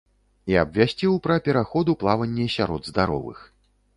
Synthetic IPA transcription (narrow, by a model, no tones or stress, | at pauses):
iɐbvʲasʲt͡sʲiwpɾɐpʲɛɾaxɔd̪uplˠavɐnʲːɛsʲaɾɔ̰d̪zd̪aɾɔ̰vɨ̰x